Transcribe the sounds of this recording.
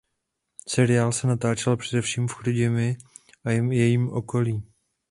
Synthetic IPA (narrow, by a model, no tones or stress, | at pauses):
sɛɾɪaːlsɛnat̪aːt͡ʃɛlpr̝̥ɛdɛfʃiːmfxɾuɟɪmɪ | ʔajɛmjɛjiːmʔo̞ko̞liː